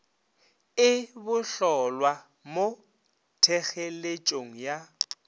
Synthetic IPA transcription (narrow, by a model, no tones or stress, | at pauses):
ɪbʊɬɔlwa | mo | tʰɛɣelet͡ʃʼoŋ̩ja